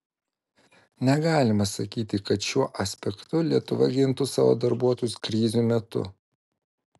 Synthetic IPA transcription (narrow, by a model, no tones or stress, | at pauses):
nʲɛɡɑːlʲɪmɐsɐkʲiːt̪ʲɪkɐt̪ʃʲuɔʔɐsʲpʲɛkt̪ʊlʲiɛt̪ʊʋɐɡʲɪnt̪ʊsɑ̰ːʋo̰ːd̪ɐɾbuɔt̪ɔjʊskɾʲiːzʲuːmʲɛt̪ʊ̰